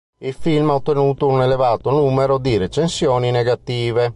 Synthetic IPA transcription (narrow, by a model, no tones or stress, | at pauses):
ilfilmaot̪ːenuːt̪ounelevaːt̪onuːmeɾod̪iɾet͡ʃensjoːnineɡat̪iːve